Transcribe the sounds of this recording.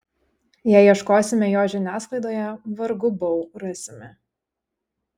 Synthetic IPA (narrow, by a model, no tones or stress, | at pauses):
jæɪiɛʃkoːsʲɪmʲɛjoːʒʲɪnʲæːsklˠɐɪd̪oːjɛʋɐɾɡʊbɔʊɾɐsʲɪmʲɪ